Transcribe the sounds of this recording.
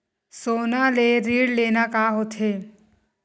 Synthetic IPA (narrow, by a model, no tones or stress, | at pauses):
soːnaleɾiːɽleːnakaɦot̪ʰɦeː